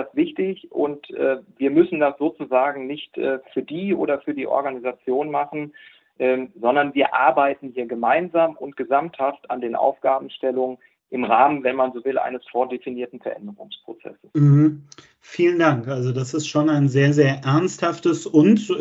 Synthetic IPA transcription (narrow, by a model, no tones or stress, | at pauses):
asv̥ɪçtɪçʔʊntʔɛːviːɐmʏsn̩dasz̥oːt͡suzaːɡŋ̩nɪçtʔɛ̰ːfyːɐdiːʔo̰ːɾɐfyːɐdiːʔɔ̰ɐɡanizat͡sjoːnmaχn̩ | ʔɛːzɔndɐnviːɐʔa̰ɐbaɪtn̩hiːɐɡəmaɪnzaːmʔʊntɡ̥əzamthafta̰ndeːnʔa̰ʊfɡ̥aːbm̩ʃtɛlʊŋən | ʔɪmʁaːmənvɛnmanzoːvɪlʔa̰ɪnəsfoːɐdefiniːɐtn̩fɛɐʔɛ̰ndəʁʊŋspʁ̥ot͡sɛ̰sə̥s̩h̩ | fiːləndaŋkʔalzodasɪstʃoːnaɪnzeːɐzeːɐʔɛɐnsthaftəsʊnt